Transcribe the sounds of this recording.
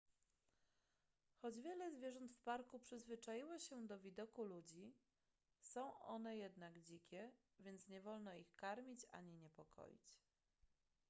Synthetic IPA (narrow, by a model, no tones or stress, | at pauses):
xɔd͡ʑvʲjɛlɛzvʲjɛʐɔnt̪fpaɾkupʂɘzvɘt͡ʂajiwɔɕɛd̪ɔvʲid̪ɔkulud͡ʑi | sɔ̃w̃ʔɔ̰nɛjɛd̪naɡd͡ʑikʲɛ | vʲjɛnt̪sɲɛvɔlnɔixkaɾmʲit͡ɕa̰ɲiɲɛpɔkʰɔ̰jḭt͡ɕ